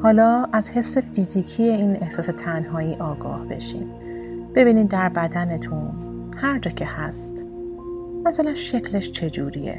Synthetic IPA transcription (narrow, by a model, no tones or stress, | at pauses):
hɒːlɒːʔæzhe̞sːe̞fiːziːcʰiːje̞iːnehsɒːse̞t̪ʰænɦɒːiːʔɒːɡɒ̰ːhb̥e̞̰ʃḭːm | b̥e̞biːnid̪̚d̪ːæɾbæd̪ænet̪ʰun | hæɾd͡ʒɒːcʰe̞hæst̪ | mæsælænʃe̞cʰle̞ʃt͡ʃʰe̞d͡ʒuːɾijḛ